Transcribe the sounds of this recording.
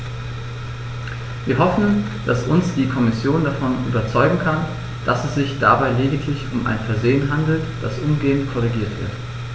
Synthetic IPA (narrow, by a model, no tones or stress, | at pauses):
viːɐɦɔfn̩ | d̥asʊnsd̥iːkʰɔmɪsjoːndafɔnʔy̰ːbɐt͡sɔʏɡŋ̩kʰan | d̥asɛsz̥ɪçd̥abaɪleːdɪkʰlɪçʊmʔa̰ɪnfɛɐzeːənɦandl̩td̥asʔʊmɡeːəntkʰɔʁ̞iɡiːɐtv̥ɪ̰ɐt